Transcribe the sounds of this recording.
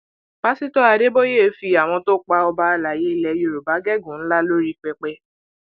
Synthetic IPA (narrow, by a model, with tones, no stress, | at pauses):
b̥a˦si˦tɔ˦a˧de˦bo˦je˦fi˧a˨w̃ɔ̃˧to˦k͡pa˧ɔ˧ba˧la˨je˨˦i˧˨lɛ˧jo˨ɾu˨ba˨˦ɡɛ˦ɡũ˨n̩˦la˦lo˦ɾi˦k͡pɛ˧k͡pɛ˧˦